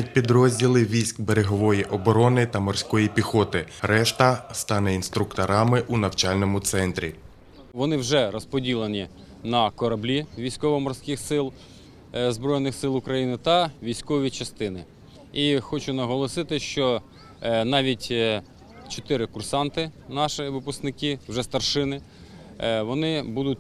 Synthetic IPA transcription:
jɐt̚ʲpʲid̪ɾɔzʲdʲilˠɪʋʲijsʲkbeɾeɦɔʋɔjiʔɔbɔɾɔnɪt̪ɐmɔrsʲkɔjipʲixɔt̪ɪɾɛʃt̪ɐst̪ɑnɛinst̪ɾʊkt̪ɐɾɑmɪʔunɐwt͡ʃɑlʲnɔmʊt̪sɛnt̪ɾʲḭ | ʋɔnɪwʒɛɾɔspɔdʲilˠɐnʲi | nɐkɔɾɐblʲiʋʲijsʲkɔʋɔmɔrsʲkʲɪxsɪlˠ | zbɾɔjnɪxsɪlˠʊkɾɐjinɪt̪ɐʋʲijsʲkɔʋʲit͡ʃɐst̪ɪnɪ | ixɔt͡ʃʊnɐɦɔlˠɔsɪt̪ɪʃt͡ʃɔ | nɑʋʲitʲ | t͡ʃɔt̪ɪɾɪkʊrsɑnt̪ɪnɑʃɪʋɪpʊsknɪkɪwʒɛst̪ɐrʃɪnɪ | ʋɔnɪbud̪ʊt̚ʲ

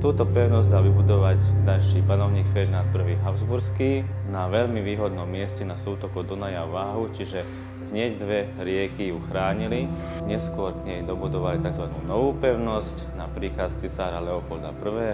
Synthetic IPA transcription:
t̪uːt̪ɔpɛʊnɔzɟd̪aːʋibud̪ɔʋac̪d̪ajʃiːpanɔʊɲiːkfɛɾinalpr̩ʋiːɦaʊzbuɾskinaʋɛʎmiʋiːɦɔd̪nɔmːɪɛscɛnasuːt̪ɔkɔd̪ɔnajaʋaːɦut͡ʃiʒɛ | ɦɲɛɟd̪ʋɛ | ɾɪɛkijuxɾaːɲili | ɲɛskʊɔɾkɲɛjd̪ɔbud̪ɔʋalit̪aɡzʋanuːnɔʋuːpɛʊnɔscnapɾiːkast͡sisaːɾalɛɔpɔld̪a̰pr̩ʋɛː

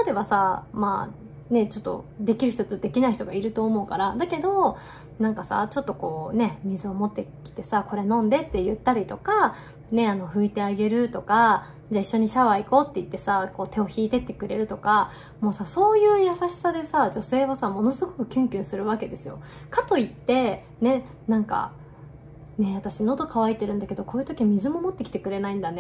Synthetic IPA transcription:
ad̪e̞βasama | ne̞t͡ɕo̞t̪ːo̞̰d̪e̞kʲiɾɯ̟çi̥t̪ot̪od̪e̞kʲinaiçit̪oɡaiɾɯ̟t̪o̞ːmo̞ɯ̟kaɾad̪ake̞d̪o̞ | nãŋkasa̰t͡ɕo̞t̪ːo̞ko̞ːne̞mʲizɨo̞mo̞t̪ːe̞kʲi̥t̪e̞sako̞ɾe̞nõ̞nd̪e̞t̪ːe̞jɯ̟t̪ːaɾʲit̪o̞ka | ne̞ano̞ɸɯ̟it̪e̞aɡe̞ɾɯ̟t̪o̞ka | d͡ʑaiɕːo̞ɲ̟iɕaβaiko̞ːt̪ːe̞it̪ːe̞sako̞ːt̪e̞o̞çiːt̪e̞t̪ːe̞kɯ̟ɾe̞ɾɯ̟t̪o̞ka | mo̞ːsaso̞ːjɯ̟ːjasaɕi̥sad̪e̞sad͡ʑo̞se̞ːβasamo̞no̞sɨɡo̞kɯ̟̥kʲɨ̃ŋkʲɨ̟̃ɰ̃sɨɾɯ̟βake̞d̪e̞sɨjo̞̰ | kat̪o̞it̪ːe̞ | ne̞ | nãŋka̰ | ne̞βat̪aɕino̞d̪o̞kaβait̪e̞ɾɯ̟̃nd̪ake̞d̪o̞ko̞ːjɯ̟t̪o̞kʲimʲizɨmo̞mo̞t̪ːe̞kʲi̥t̪e̞kɯ̟ɾe̞naĩnd̪ane̞

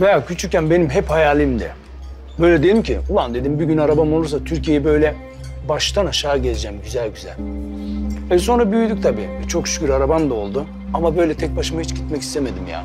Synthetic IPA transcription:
vejacʰyt͡ʃʰyɾcʲːænbe̞nimɦɛphajaːlʲimd̪ɛ̰ | bøjlʲɛd̪ed̪imcʰḭulˠand̪e̞d̪imbiɟynaɾabamo̞lˠuɾs̬at̪ʰyɾcʰijejɛbø̞jlʲɛ | baʃt̪ʰanaʃaːɟɛzd͡ʒɛmɟyzælʲɟyzæ̰lʲ | vɛso̞nɾabyjyd̪yc̚t̪ʰabḭːɛt͡ʃʰo̞kʃy̥cʰʲyɾaɾabamd̪ao̞lˠd̪u | amabø̞jlʲɛt̪ʰɛc̚baʃɯmahit͡ʃɟit̪̚mɛci̥st̪ʰeme̞d̪imja̰ː

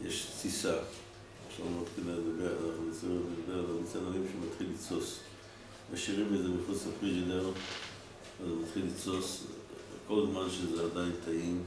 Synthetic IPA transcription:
jeʃt͡sisa | afʃavmat̪χileɡabeaanaχnunit͡simeteɡabeʁananit͡senalimʃemat̪χilːit͡so̞s | maʃiʁimezemiχut͡safʁid͡ʒineʁ | azmat̪χilːit͡so̞s | ko̞lzmanʃezeadaint̪ʰaim

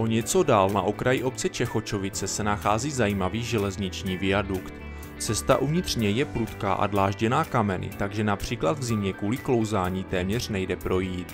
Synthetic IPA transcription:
ʔo̞ɲɛt͡so̞daːlna̰ʔo̞kɾajiʔo̞p̚t͡sɛt͡ʃɛxo̞t͡ʃo̞vɪt͡sɛsɛnaxaːziːzajiːmaviːʒɛlɛzɲɪt͡ʃɲiːvɪjadukt̪ | t͡sɛst̪a̰ʔuvɲɪt̪r̝̥ɲɛjɛpɾut̪ka̰ːʔa̰dlaːʒɟɛnaːkamɛnɪ̰t̪aɡʒɛnapr̝̥iːklad̪vzɪmɲɛkuːlɪklo̞wzaːɲiːt̪ɛːmɲɛr̝̥nɛjdɛpɾo̞jiːt̪

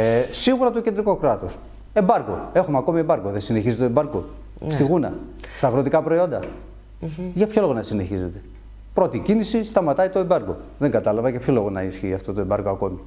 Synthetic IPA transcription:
siɣuɾɐt̪ocend̪ɾiko̞kɾɐt̪o̞s | e̞mbɐɾko̞̰e̞xumeɐko̞miembɐɾko̞ðesine̞çizet̪etoembɐɾko | st̪iɣunɐ̰st̪ɐɣɾot̪ikɐpɾo̞io̞nd̪ɐ | ʝɐpço̞lo̞ɣonɐsine̞çize̞t̪e̞ | pɾo̞t̪icinisist̪ɐmɐt̪ɐit̪o̞embɐɾko̞ðeŋɡɐt̪ɐlɐvɐcepçolo̞ɣonɐisçiɐft̪o̞t̪oe̞mbɐɾkoɐko̞mi

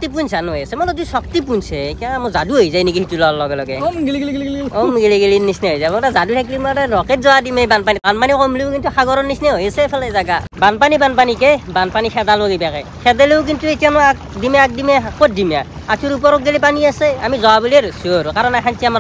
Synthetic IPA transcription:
ktip̬unsanɦojasɛmɔzɔdisɔk̚tipunsɛtiamɔzaduɦojzajnikiitulɔalɔɡɛlɔɡɛmɡiliɡeliɡliɡlɔmɡeliɡelinisnɛɦojzamɔtazadutʰɛklimataɾɔket̚zɔwadimebanpanit̪anpanikomlikintuxaɡɔɾɔnisnɛɦojasɛpʰɛlɛzaɡabanpanibanpanikebanpanixʰɛd̪aloɡebakɛ | kʰɛd̪ɛleok̬intuetijanɔakdimeak̚dimekotdimja | atʰuɾup̬ɔɾɔk̚ɡelipaniaseamizɔwabulieɾosoɾukaɾɔnakʰantʰiama

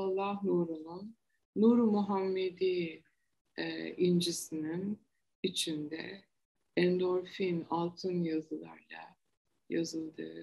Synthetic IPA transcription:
alˠːahnuɾununː | uɾmuɦamːed̪i | ind͡ʒisinin | it͡ʃʰind̪ɛ̰ | ɛnd̪oɾfinalˠt̪ʰɯnjazɯlˠa̰ɾlˠa̰ | jazɯlˠd̪ɯ̰

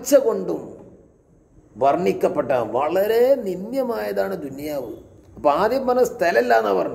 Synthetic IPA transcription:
t͡ɕːɐko̞ɳɖum | ʋɐrɳikʲːɐpːeʈːaːnʋɐɭɐɾe̞ninjɐmaːjɐðaːɳɨd̪unjaːʋɨ | ɐpːɐaːd̪jɐmːɐnɐst̪ʰɐlelːaːnːaʋɐrɳu

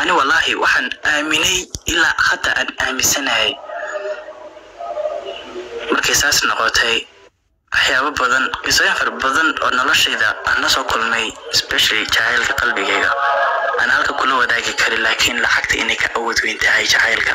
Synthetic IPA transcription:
ʔɐnɪwɑlːɑːhɪwʔɑħɑːnʔaːmɪnɛjɪlaːxɐt̪ʰɐʔaːnaːmɪnsɐnɐhɛj | mɐrkʰɛjsaːsnɔqɔt̪ʰɛj | wɑħjaːβɐbɐðɐnɪsɔɛnfɐrbɐðɐnɔ̰ːnɔlɔʃɛjðɐʔaːnːɐsɔːkʰʊlmɛjɪspɛʃɐlɪt͡ʃɑʕɛːlkʰɐqɑlbɪɣɛːɣɐ̰ʔaːnhɐlkʰɐkʰʊlɐwɐðaːɣɪkʰɐɾɪnlaːkʰɪnlɑʕɑɡ̚t̪ʰɐɪnɛjkʰɐʔawɔːd̪wɛːnt̪ʰɐɦɛjt͡ʃʰɑʕɛːlkʰɐ

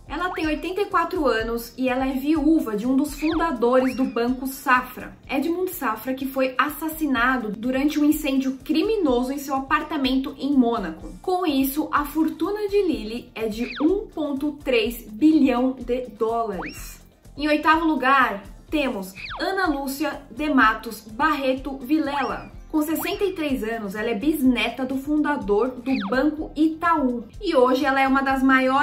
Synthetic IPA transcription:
ɛlɐt̪ẽj̃ojt̪ẽnt̪ɐikwat̪ɾʊɐ̃nʊsɪɛlɐɛviuvɐd͡ʒɪũd̪ʊsfũnd̪ad̪oɾɪzd̪ʊbɐ̃kʊsafɾɐ̰ | ɛd͡ʒɪmũnd͡ʒ̪ɪ̥safɾɐkɪfojasasinad̪ʊd̪uɾɐ̃nt͡ʃɪũĩsẽnd͡ʒʊkɾiminozʊẽsewapaɾt̪amẽnt̪ʊʔẽj̃mõnɐkʊkõw̃isʊʔɐfoɾt̪ũnɐd͡ʒɪlilɪɛd͡ʒɪũpõnt̪ʊt̪ɾezbilɐ̃w̃d̪ɪd̪ɔlɐɾɪs | ẽj̃ojt̪avʊluɡaɾt̪ẽmʊsɐ̃nɐlusiɐd̪emat̪ʊzbaɦet̪ʊvilɛlɐ̰ | kõsesẽnt̪ɐjt̪ɾejzɐ̃nʊzɛlɐɛbiznɛt̪ɐd̪ʊfũnd̪ad̪oɾd̪ʊbɐ̃ŋkʊit̪au | ɪoʒɪɛlɐɛũmɐd̪ɐzmajɔ

